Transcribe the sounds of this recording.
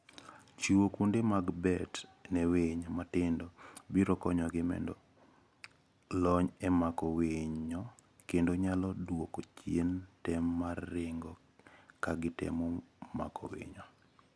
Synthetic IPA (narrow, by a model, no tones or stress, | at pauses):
t͡ʃiwokundemaɡbɛtnɛweɲomatɪndobiɾɔkɔɲɔɡɪmɛ̰ndɔ | lɔɲɛmakɔweɲɲɔ | kendoɲalɔdwokot͡ʃjentɛmːarːɪŋɡɔ | kaɡɪtɛ̰moma̰kɔ̰wḛɲo